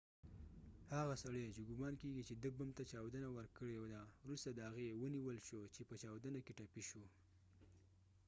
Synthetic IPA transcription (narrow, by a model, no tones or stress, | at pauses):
haɣasaɽet͡ʃeɡʊmɑnkeɡit͡ʃed̪əbəmt̪at͡ʃɑwd̪ənawəɾkəɽed̪awɾust̪ad̪əhaɣewəniwəlʃot͡ʃepət͡ʃɑwd̪ənakeʈapiʃu